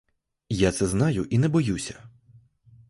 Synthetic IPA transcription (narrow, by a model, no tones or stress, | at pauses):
jat̪sɛznɑjʊʔinɛbɔjusʲɐ̥